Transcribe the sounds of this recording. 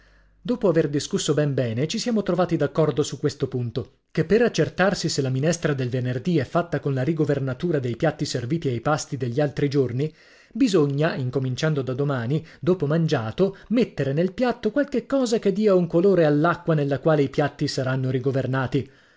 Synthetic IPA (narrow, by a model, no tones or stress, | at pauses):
d̪oːpoaverd̪iskusːobɛmbɛːnet͡ʃisjaːmot̪ɾovaːt̪id̪akːɔrd̪osukːwest̪opunt̪o | kepːeɾat͡ʃːert̪arsiselːaminɛst̪ɾad̪elvenerd̪iɛfːat̪ːakonlaɾiɡovernat̪uːɾad̪ejpjat̪ːiserviːt̪iajpast̪id̪eʎːialt̪ɾid͡ʒorni | bizoɲːaiŋkomint͡ʃand̪od̪ad̪omaːnid̪oːpomand͡ʒaːt̪omet̪ːeɾenelpjat̪ːokwalkekːɔːzak̟ed̪ːiːauŋkoloːɾealːakːwanelːakwaːleipjat̪ːisaɾanːoɾiɡovernaːt̪i